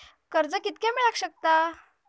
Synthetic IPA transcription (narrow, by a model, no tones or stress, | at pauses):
kəɾd͡zəkit̪kɛ̃miɭakɕək̚t̪a